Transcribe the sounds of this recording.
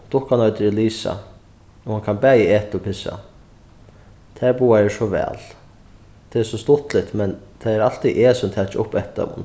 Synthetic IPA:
t̪ʊhkanɔːjt̪ɪɾɪliːsa̰ | ɔhankʰanbɛːjəeːht̪ɔpʰɪsa̰ | t̪ʰɛːɹbuːaɛɹsɔʋɛ̰ːl | t̪ʰɪɛsɔst̪ʊt̪lɪht̪mɛnt̪ʰaɛɾal̥t̪iʔeːsʊmt̪ʰɛːt͡ʃʊpːɛht̪a̰mʊ̰n

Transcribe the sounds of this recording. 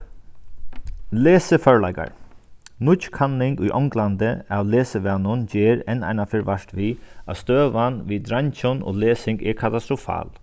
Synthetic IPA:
leːsəfœɹla̰jka̰ɹnʊkʰanlɪŋkʊjʔɔ̰ŋkland̪əaʋleːsəʋɛːnʊnd͡ʒeːɾɛnːa̰jnafɪɾʋaʂt̪ʋia̰st̪øːʋanʋiːd̪ɾaɲt͡ʃʊno̰ːleːsɪŋɡɛɾkʰat̪ast̪ɾʊfa̰ːl

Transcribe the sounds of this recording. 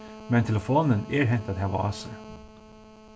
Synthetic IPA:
mɛnt̪ʰɛləfoːnəneːɾɦɛnt̪ɑt̪hæʋɑ̰ɑ̰ːsə

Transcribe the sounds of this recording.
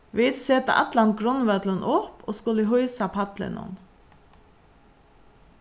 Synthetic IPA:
ʋɪːd̪sɛːt̪ə̰ʔɑ̰t̪lɑn̚ɡɾɔnʋœd̪lənʔɔpo̰ːskʊləɦɔʏsɑpʰɑt̪lɪ̰nɔ̰n

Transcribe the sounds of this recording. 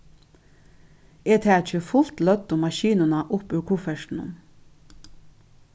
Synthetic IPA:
eːt̪ʰæːt͡ʃɪfʊl̥t̪lœt̪ːʊmaʃiːnʊnaʔʊpʉɹkʰuːfɛʃt̪n̩ʊ̰m

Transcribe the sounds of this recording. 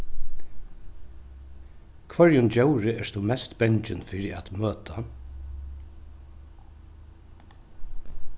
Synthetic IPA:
kʰvœɹjʊnd͡ʒɛwɾɪɛɹst̪ʰumɛst̪bɛɲt͡ʃɪnfiːɾɪa̰t̪møːt̪ʰa

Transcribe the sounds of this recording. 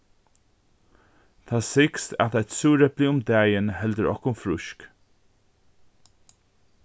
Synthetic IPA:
t̪ʰaːsɪkst̪a̰t̪at̪suːɾɛplɪʊmd̪æːjənhɛld̪əɹɔ̰hkʊmfɾʊʃk

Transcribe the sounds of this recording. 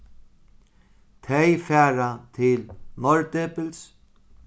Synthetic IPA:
t̪ʰɛjfæːɾat̪ʰɪlnɔɹt̪eːpɪls

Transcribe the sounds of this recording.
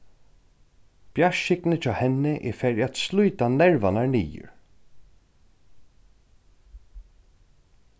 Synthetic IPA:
b̥jaʃɪknət͡ʃʰaːhɛnɪʔɛ̰fɛɹat̪sluːt̪anɛɹvanaɹnḭːjə̰ɹ

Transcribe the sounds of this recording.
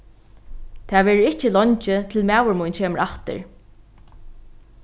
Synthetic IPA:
t̪ʰɛːʋɛːɾʊɪht͡ɕɪlɔɲt͡ʃɪt̪ʰɪlmæːwəɹmujnt͡ɕʰeːməɾaht̪ɪ̰ɹ

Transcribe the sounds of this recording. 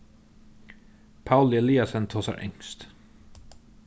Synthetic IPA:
pʰaʉlɪɛliːɑsənt̪ʰoːsɑ̰ɾʔɛ̰ŋst̪

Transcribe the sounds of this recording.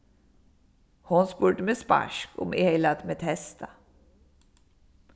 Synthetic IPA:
hʊnspʉːʈəmeːspæ̰ʃkʊ̰mʔeːhɛɪlɑt̪meːt̪hɛst̪ɑ

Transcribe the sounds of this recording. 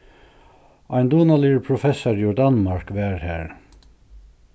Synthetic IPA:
ɑɪnd̪uːnɑliːɹpʰɹʊfɛsaɾiɔd̪ɑnmɑɹkʋæːɹhæːɹ

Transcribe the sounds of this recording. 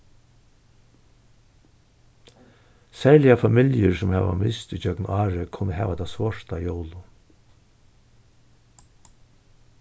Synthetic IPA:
sɛɹlɪjafamɪljəɹsʊmhɛ̰a̰mɪst̪ʏd͡ʒœknaːɹəkʰʊnəɦɛ̰ːʋad̪asʋɔʂt̪ajowlʊ

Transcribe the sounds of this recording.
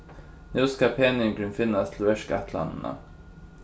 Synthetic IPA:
nʉːskapʰeːnɪŋɡɾʏnfɪnːast̪ʰɪlɛʂkat̪ʰla̰nd̪əna̰

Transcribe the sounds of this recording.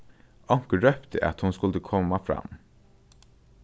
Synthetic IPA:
ʔɔŋkəɾœpt̪ə̰ʔɑ̰t̪hʊnskɵld̪əkʰɔmːafɾa̰mː

